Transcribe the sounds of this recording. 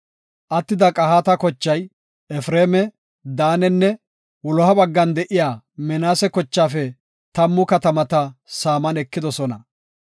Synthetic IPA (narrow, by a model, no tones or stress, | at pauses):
ʔɐt̪ːɪd̪ɐkʼɐhat̪ɐkɔt͡ʃːɐj | ɛfɾeːmɛ | d̪aːnɛnːɛ | wɔlɔhɐbɐɡːɐnd̪ɛʔɪjaː | mɛnaːsɛkɔt͡ʃːaːfɛ | t̪ɐmːʊkɐt̪ɐmɐt̪ɐsaːmɐnɛkːɪd̪ɔsɔnɐ